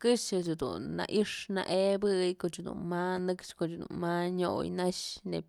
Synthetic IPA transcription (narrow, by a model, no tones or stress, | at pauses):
kɨʂat͡ʃud̪ṵnːa̰ʔiʂna̰ʔebɨjkot͡ʃud̪ṵnmanɨkt͡ʃkot͡ʃd̪ṵnmaɲo̰jnaʃne